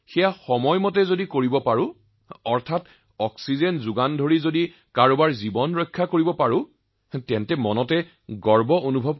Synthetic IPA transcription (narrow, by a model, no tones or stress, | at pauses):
xɛjaxɔmɔjmɔtɛzodikoɹibɔpaɹʊ̃ | ɔɹtʰat | ɔksizɛnzʊɡandʱoɹizodi | kaɹubaɹzibɔnɹɔjkʰːakoɹibɔpaɹʊ̃ | tɛ̃ntɛmɔnɔtɛ | ɡɔɹbɔonubʱɔb̚